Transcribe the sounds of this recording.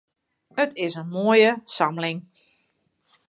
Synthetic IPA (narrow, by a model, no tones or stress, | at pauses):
ətʰɪsənmoːjəsamlɪŋ